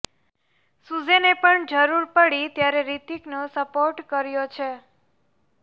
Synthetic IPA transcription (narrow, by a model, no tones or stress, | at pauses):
sud͡ʒenepəɳd͡ʒəɾuɾpəɽit̪jaɾeɾit̪iknosəpoɾʈkəɾjot͡ʃʰe